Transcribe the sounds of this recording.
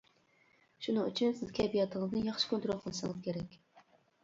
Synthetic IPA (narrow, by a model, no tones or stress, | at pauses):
ʃunɨŋy̰t͡ʃʰynsɪzkʲʰɛbijɑt̪ʰəŋəznɨjɑχʃɨ̥kʰont̪ɾolˠqʰəlˠɨʃɨŋɨzkʲʰeɾɛkʲ